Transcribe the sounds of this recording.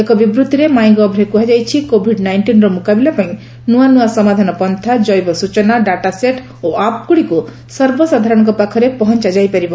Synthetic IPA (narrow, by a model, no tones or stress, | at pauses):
ekɔbibɾut̪iɾemaj̃ɡɔbʱɾekuɦad͡ʒajt͡ʃʰikobʱiɖnajɳʈinɾɔmukabilapaĩ | nuanuasɔmad̪ʱanɔpɔnt̪ʰad͡ʒɔjbɔsut͡ʃɔnaɖaʈaseʈ | oap̚kuɽiku | sɔɾbɔsad̪ʱaɾɔɽ̃ɔkɔpakʰɔɾepɔɦɔnt͡ʃad͡ʒajpaɾibɔ